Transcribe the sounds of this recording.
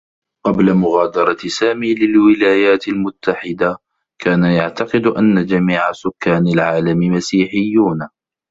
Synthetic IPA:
qɑblamʊɣaːd̪ɑɾˤɑsaːmiːlɪlwɪlaːjaːt̪almʊt̪ːaħɪd̪a | kʰaːnajaʕt̪ɑqɨd̪ʔanːad͡ʒamiːʕasʊkːaːnalʕaːlamɪmasiːħɪjːuːn

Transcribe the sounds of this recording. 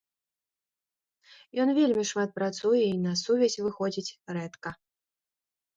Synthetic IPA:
jɔnvʲelʲmʲiʂmat̪̚pɾat̪sujɛinɐsuvʲɛzʲvɨxɔd͡zʲit͡sʲrɛt̪kɐ

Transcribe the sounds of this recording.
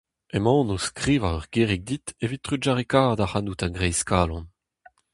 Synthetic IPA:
emɑ̃ːnoskʁiːvaʁœʁɡeʁik̚d̪it̪evit̚tːʁyd͡ʒaʁekaːʁd̪ahanutaɡʁɛjskaːlɔ̃n

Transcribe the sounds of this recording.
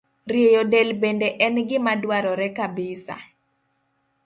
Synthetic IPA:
ɾiejodɛlbendeʔɛnɡɪmadwaɾɔɾɛkabɪsa̰

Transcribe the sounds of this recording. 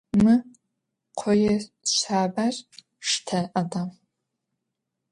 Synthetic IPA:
mɨ | qʷʰɔjɛɕʷaːbar | ʂtʰɐʔɐdaːm

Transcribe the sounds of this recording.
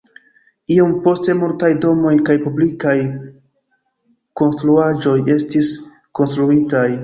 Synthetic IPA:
iompo̞ste̞muɾtajdo̞mo̞jkajpublikaj | ko̞nstɾuad͡ʒo̞je̞stis | ko̞nstɾuitaj

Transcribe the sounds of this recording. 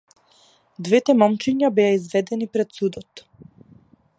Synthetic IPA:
d̪vɛt̪ɛmɔmt͡ʃiɲabɛaizvɛd̪ɛnipɾɛt̪sud̪ɔt̪

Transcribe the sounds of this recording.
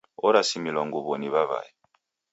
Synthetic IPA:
ɔɾasimilɔŋɡuβɔniβaβa̰ji

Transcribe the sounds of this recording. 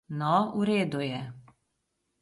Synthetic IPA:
nɔuɾeːd̪ujɛ

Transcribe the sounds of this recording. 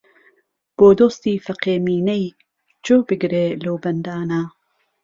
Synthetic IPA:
b̥oːd̪oːst̪iːfɐqeːmiːnɐj | t͡ʃoːbɨɡɾeːlowbɐnd̪aːna

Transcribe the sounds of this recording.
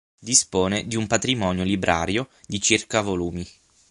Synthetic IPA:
d̪ispoːned̪iumpat̪ɾimɔːnjolibɾʔa̰ːɾjod̪it͡ʃirkavoluːmi

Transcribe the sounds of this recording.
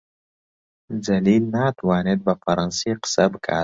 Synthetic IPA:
zɐlilnaːt̪wɑːned̪̚bafaɾɑnseqɪ̥sabəkʰa̰ː

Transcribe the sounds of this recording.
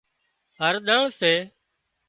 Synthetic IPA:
ɦəɾɗ̪əɳseː

